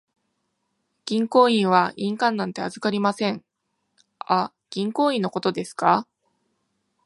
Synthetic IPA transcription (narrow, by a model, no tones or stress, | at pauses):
ɡ̥ʲĩŋko̞ːĩɰ̃β̞aʔĩŋkãnːãnt̪e̞azɨkaɾʲimasẽ̞ŋ | a | ɡ̥ʲĩŋko̞ːĩnːo̞ko̞t̪o̞d̪e̞sɨ̥ka